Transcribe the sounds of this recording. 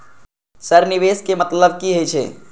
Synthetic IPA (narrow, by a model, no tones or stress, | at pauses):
sɐɾnɪʋeːskemɐt̪ləb̚kiɦet͡ʃʰḛː